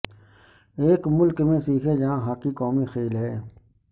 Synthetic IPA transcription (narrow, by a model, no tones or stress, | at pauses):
eːkmʊlkmẽːsiːkʰeːjaãːɦaːkiːkoːmĩːxeːlɦeː